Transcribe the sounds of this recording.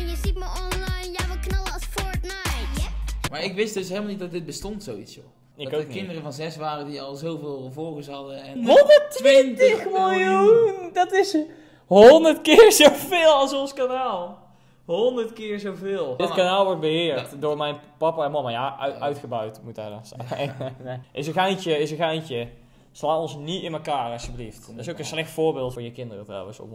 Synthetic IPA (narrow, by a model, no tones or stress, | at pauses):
jəzitmaɔnlɑjnjaʋəknɑləsfɔɹtna | maːɹɪkʋɪsdɵsɦejlˠmɑlnit̚dɑdɪt̚bəstɔntsowitsjo | ɪkkokɪndərəvɑnzɛsʋaːrədiɑlˠzowvɪːlˠəvɔlˠɣəsɦɑdəɛnɦɔndətʋɪtəxmɪlˠjundɑtɪs | ɦɔndəɹtkɪːɹzowvɪːlˠɑlˠsɔnskanaːlˠ | ɦondərtkɪːɹzowvɪːlˠətkanaːlˠʋɔɹt̚bəhɪːɹtdʊːɹmɛjnpɑpaɛnmɑmajaʔœœɥtxəbœɥtmutɛ̰dɔs | ʔɪsəɣajntəɪsəɣajntjə | slaːtɔnsniɪnməkaːrɑsjəbəlifttɪsowkənslɛxtfʊːɹbɪːlˠtfʊːɹjəkɪndərətrɔ̰wə̃nso̰